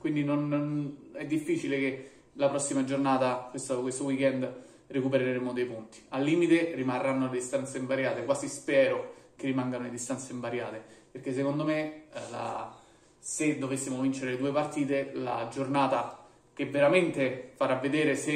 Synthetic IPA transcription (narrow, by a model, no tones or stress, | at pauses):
kwind̪inon | ɛd̪ːifːiːt͡ʃileke | lapɾɔsːimad͡ʒornaːt̪akwest̪okwest̪owikɛnd̪ | rekupeɾeɾeɾemod̪ejpunt̪i̥alːiːmit̪erimarːanːoled̪ist̪ant̪seiɱvaɾjaːt̪ekwaːzispɛːɾokerːimaŋɡanoled̪ist̪ant̪seiɱvaɾja̰ːt̪epeɾkes̬ːekond̪omela̰ | sed̪ːovesːimovint͡ʃeɾeled̪uːepart̪iːt̪ela̰d͡ʒornaːt̪a | kevːeɾament̪efaɾavːed̪eːɾese